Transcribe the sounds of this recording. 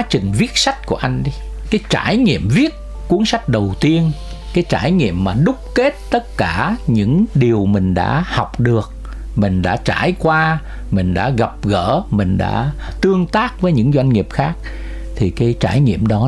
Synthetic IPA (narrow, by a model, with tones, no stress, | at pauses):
a˨˦t͡ɕï˨˩ŋ̟vi˦˥ət̚sa˦˥jk̟̚ku˧˩əʔa˧jŋ̟ɗi˧ | kaː˨˦jt͡ɕaː˧˩jŋḭ˧˨əmvi˦˥ət̚ | ku˨˦ənsa˦˥jk̟̚ɗə˨˩wt̪i˧ən | kaː˨˦jt͡ɕaː˧˩jŋḭ˧˨əmːaː˨˩ɗʊ˦˥k͡p̚ke˦˥t̚t̪ə˦˥t̚kaː˧˩ɲɨ̰˧˥ŋɗi˨˩əwmï˨˩ŋ̟ɗa̰ː˧˥hɔ˨˩wk͡p̚ɗɨ˨˩ək̚ | mï˨˩ŋ̟ɗa̰ː˧˥t͡ɕaː˧˩jkwaː˧ | mï˨˩ŋ̟ɗa̰ː˧˥ɣa˨˩p̚ɣəː˧˩mï˨˩ŋ̟ɗa̰ː˧˥t̪ɨ˧əŋt̪aː˦˥k̚vəː˨˦jɲɨ̰˧˥ŋzwa˧jŋ̟ŋi˨˩əp̚xaː˦˥k̚ | t̪ʰi˨˩kaː˨˦jt͡ɕaː˧˩jŋḭ˧˨əmɗɔ˨˦